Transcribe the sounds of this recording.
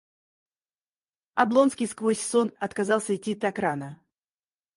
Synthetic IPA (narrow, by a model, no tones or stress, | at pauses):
ɐ̰blˠo̞nskʲɪjskvo̞sʲso̞nɐt̪kazɑlˠsʲəɪtʲːit̪ɐkɾanə